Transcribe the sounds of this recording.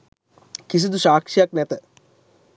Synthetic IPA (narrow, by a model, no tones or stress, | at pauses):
kis̬id̪uʃaːkʂijak̚nɛt̪ə